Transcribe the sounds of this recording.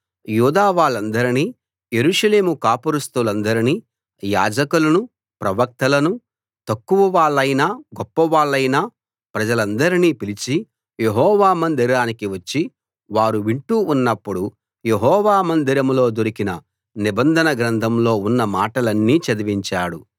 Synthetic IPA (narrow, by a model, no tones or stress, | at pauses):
juːd̪aːʋaːɭːɐnd̪ɐɾiniː | jeɾuːʂɐle̞ːmukaːpuɾust̪ulɐnd̪ɐɾiniː | ja̰ːd͡ʒɐkulɐnu | pɾɐʋɐk̚t̪ɐlɐnu | t̪ɐkːuʋɐʋaːɭːɐjnaːɡɔpːɐʋaːɭːɐjnaː | pɾɐd͡ʒɐlɐnd̪ɐɾiniːpilit͡ʃi | jeɦɔːʋaːmɐnd̪iɾaːnikiʋɐt͡ʃːi | ʋaːɾuʋiɳʈuːnːɐpːuɽu | jeɦɔːʋaːmɐnd̪iɾɐmlo̞ːd̪oɾikinɐ | nibɐnd̪ʱɐnɐɡɾɐnd̪ʰʱɐmlo̞ːunːɐmaːʈɐlɐnːiːt͡ʃɐd̪iʋiɲt͡ʃaːɽu